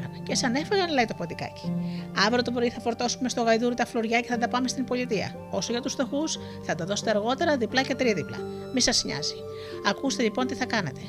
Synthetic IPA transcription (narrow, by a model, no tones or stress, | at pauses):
ɐnce̞sɐne̞feɣɐnlɐit̪o̞po̞t̪ikɐ̰ci̥ɐvɾot̪opɾiθɐfo̞ɾt̪o̞sume̞st̪o̞ɣɐjðuɾot̪ɐflo̞ɾʝɐce̞θɐd̪ɐpɐme̞st̪impo̞lit̪iɐ̰ | o̞so̞ʝɐt̪ust̪o̞xus | θɐt̪ɐðo̞set̪eɐɾɣo̞t̪e̞ɾɐðiplɐce̞t̪ɾiðiplɐ̰ | misɐsɲɐ̰zi | ɐkust̪e̞lipo̞nt̪iθɐkɐne̞̰t̪e̞